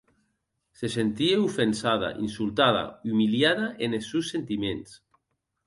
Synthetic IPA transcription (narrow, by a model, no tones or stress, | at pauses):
sesent̪ieufensað̞a̰ʔḭnsulˠt̪aða̰umiljaðaʔenesuwsent̪imens